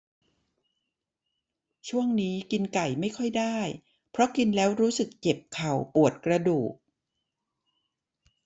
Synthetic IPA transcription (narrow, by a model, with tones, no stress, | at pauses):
t͡ɕʰu˥˩əŋniː˦˥ki˧nka˨˩jma˥˩jkʰɔ˥˩jdaː˥˩j | pʰɾɔ˦˥ki˧nlɛː˦˥wɾuː˦˥sɯ˨˩kt͡ɕe˨˩p̚kʰa˨˩wpu˨˩ət̪̚kɾa˧duː˨˩k̚